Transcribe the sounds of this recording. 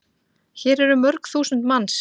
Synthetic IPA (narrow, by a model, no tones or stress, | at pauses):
çɛːɾɛɾʏmœɾkθuːsʏnt̪mans